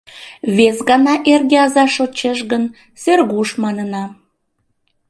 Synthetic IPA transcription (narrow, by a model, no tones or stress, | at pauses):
βesɣɑnɑʔerɣeɑzɑʃot͡ɕeʃɣən | serɣuʃmɑnənɑ